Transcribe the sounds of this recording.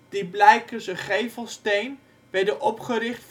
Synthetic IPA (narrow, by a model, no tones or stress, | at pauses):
d̥iblɛjkəsəχejvəlˠstejn | ʋɛdəʔɔpχəɾɪχtf